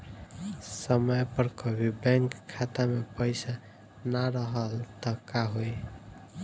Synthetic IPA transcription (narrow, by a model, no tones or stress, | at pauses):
səməjpəɾkɔbʱibɛŋkʰːat̪amepəjsa | naɾəɦəlt̪ʌkaɦoj